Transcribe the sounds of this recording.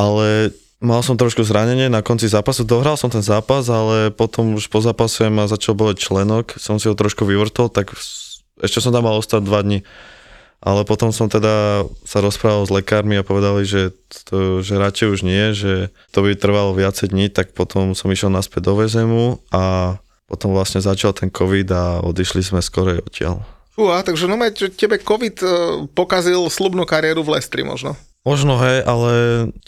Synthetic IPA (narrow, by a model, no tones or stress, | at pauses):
ʔalɛ | malsɔmt̪ɾɔʃkuzɾaɲɛɲɪɛnakɔnt͡sizaːpasud̪ɔɦɾalsɔmt̪ɛnzaːpazalɛpɔt̪ɔmuʃpɔzaːpasɛmazat͡ʃalbɔlac̚t͡ʃlɛnɔksɔmsiɦɔt̪ɾɔʃkuʋiʋr̩t̪ɔlt̪ak | ɛʃcɛsɔmt̪amːalˠɔst̪ad̪̚d̪ʋad̪ɲi | ʔa̰lɛpɔt̪ɔmsɔmt̪ɛd̪asaɾɔspɾaːʋalzlɛkaːɾmiapɔʋɛd̪aliʒɛt̪ɔʒɛɾat͡ʃɛjuʒɲɪɛʒɛ | t̪ɔbit̪r̩ʋalɔʋɪat͡sɛjd̪ɲit̪ak̚pɔt̪ʰɔmsɔmiʃjɛlˠnaspɛd̪d̪ɔʋɛzɛmua | pɔt̪ɔmʋlasɲɛzat͡ʃalt̪ʰɛnkʰɔʋid̪aɔ̰d̪iʃlizmɛskɔɾɛjɔcɪa̰lt͡ʃuat̪aɡʒɛnɔmaʒɛcɛbɛkɔʋit̪pɔkazilslubnukaɾɪɛɾuvlɛst̪ɾḭmɔ̰ʒnɔ | mɔʒnɔɦɛjʔalɛ